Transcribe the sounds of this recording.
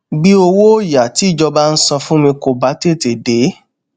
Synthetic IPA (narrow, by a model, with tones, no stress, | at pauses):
ɡ͡bi˦o˧wo˦ja˨ti˨˦i˦˨d͡ʒɔ˧ba˦n̩˦sɔ̃˧fũ˦mĩ˧ko˨ba˨˦te˦˨te˨de˨˦